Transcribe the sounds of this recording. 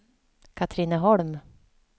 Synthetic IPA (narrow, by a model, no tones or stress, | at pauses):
kʰat̪ʰɾiːnəɦɔɭm